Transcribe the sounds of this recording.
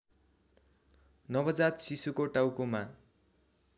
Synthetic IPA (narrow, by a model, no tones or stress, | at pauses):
nʌbʌd͡zat̪sisukoʈawkoma